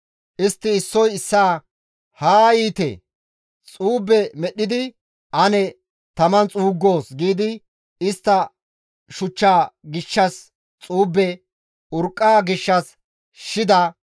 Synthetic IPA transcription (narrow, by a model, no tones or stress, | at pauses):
ʔɪst̪ːɪɪsːɔjɪsːaː | haːiːt̪ḛ | t͡sʼuːbːɛmɛɗːɪd̪ɪ | ʔɐnɛ | t̪ɐmɐnt͡sʼuːɡːo̞ːsɡiːd̪ɪ | ɪst̪ːɐ | ʃʊt͡ʃːaːɡɪʃːɐs | t͡sʼuːbːɛ | ʊɾkʼːaːɡɪʃːɐs | ʃɪd̪ɐ